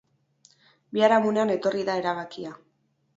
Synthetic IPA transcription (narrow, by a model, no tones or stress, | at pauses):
biaɾamuneane̞t̪o̞riðae̞ɾaβ̞akia